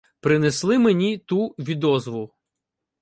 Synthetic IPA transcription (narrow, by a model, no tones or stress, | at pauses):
pɾɪneslˠɪmenʲit̪uʋʲid̪ɔzʋʊ